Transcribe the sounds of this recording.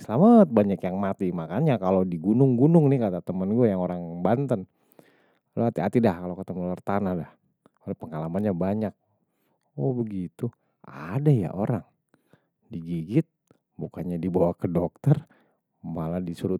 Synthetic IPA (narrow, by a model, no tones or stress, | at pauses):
səlamat̪̚baɲakjaŋmat̪imakaɲakalodiɡunʊŋɡunʊŋnɪhkat̪at̪əmənɡuajaŋoɾaŋbant̪ən | loat̪iat̪idahkalokət̪əmənlərt̪anahdah | olapəŋalamanɲabaɲak̚ | ɔbəɡit̪u | adaja̰ʔo̰ɾaŋ | diɡiɡɪt̪̚ | bukanɲadibawakədɔk̚t̪ər | maladisuɾʊ